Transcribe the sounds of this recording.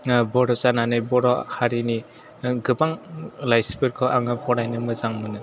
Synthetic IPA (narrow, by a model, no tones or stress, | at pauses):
bɔɾɔt͡ʃananɯjbɔɾɔhaɾini | ɡɯbaŋlajspɯɾkʰɔʔaŋɯpʰɔɾajnɯmɯzaŋmɯnɯ